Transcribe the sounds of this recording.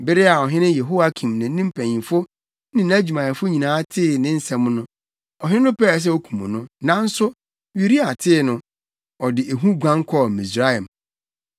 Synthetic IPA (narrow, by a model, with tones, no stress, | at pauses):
bɪ˦ɾɪ˦a˨ɔ˨ɦɪ̃˦nʊ̃˦jɛ˨ɦo˦wa˦kʰĩ˨mnã˨˦nĩ˦m˦pʰæ̃˨ɲĩ˨fʊ˦ | nɪ̃˦n˦æ˦d͡ʑᶣu˨mã˨ɛ˨fʊ˦ɲĩ˨nãː˨˦tʰɪː˦˨nɪ̃˦n̩˨sɛ̃˨m˦nʊ̃˦ | ɔ˨ɦɪ̃˦nʊ̃˦pɛ˦˨s̬ɛ˦o˦kʰũ˨mũ˨nʊ̃˦nã˦n̩˦sʊ˦ | ɥi˦ɾi˦a˨tʰɪː˦˨nʊ̃˨ | ɔ˨dɪ˨ʔe˨ɦũ˦ɡʷã˦ŋ˦kʰɔ˦˨mĩ˨sɾa˦ɛ˨m